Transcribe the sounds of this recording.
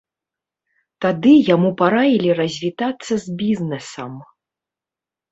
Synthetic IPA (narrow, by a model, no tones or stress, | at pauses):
t̪ad̪ɨjamupaɾavʲilʲiɾɐzʲvʲit̪at̪sːɐzʲbʲiznɛsɐm